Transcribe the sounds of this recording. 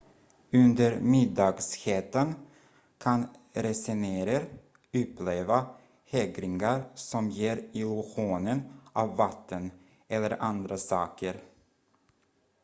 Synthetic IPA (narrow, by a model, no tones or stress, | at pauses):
ɵnd̪əɾmɪd̪ɑːɡsheːt̪ən | kʰanɾɛsɛneːɾəɾ | ɵpːleːva | hɛɡɾɪŋaɾsɔmjeːɾɪlʊɧuːnənʔɑvːat̪ʰːən | ɛlːəɾʔand̪ɾasɑːkəɾ